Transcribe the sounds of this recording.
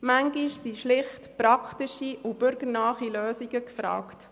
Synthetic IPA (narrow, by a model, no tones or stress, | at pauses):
mæŋɡiʃsiʃlɪχtpɾɑkχtiʃiʔub̥ʏɾɡəɾnɑːχiløːsiɡəkfɾɑ̰ːkt